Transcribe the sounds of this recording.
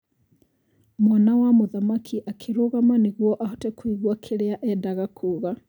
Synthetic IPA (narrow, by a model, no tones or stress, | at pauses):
mwanawamoðamakʰiʔakʰeɾoɣamaneɣwɔʔaɦotɛkwiɣwakʰeɾeaʔɛdaɣakʰuːɣa